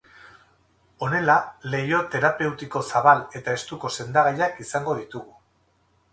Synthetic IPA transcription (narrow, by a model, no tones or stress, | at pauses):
o̞ne̞lale̞jo̞t̪e̞ɾape̞wt̪iko̞saβale̞t̪ae̞st̪uko̞se̞nd̪aɣajakisaŋɡo̞ðit̪uɣu